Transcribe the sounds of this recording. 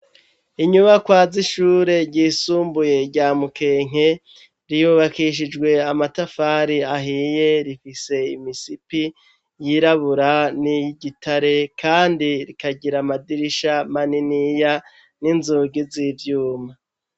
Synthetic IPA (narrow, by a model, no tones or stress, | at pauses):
iɲuβakwaːziʃuːɾe̞ɾɟiːsuːmbuje̞ɾɟaːmuke̞ːŋ̥e̞ | ɾijuβakiʃ̬id͡ʒɡwe̞amatafaːɾiaɦije̞ɾifise̞imisipi | jiɾaβuɾaniɟitaɾe̞kʰaːndiɾikaɟiɾamadiɾiʃamaninija | ninzuɡizivjuːma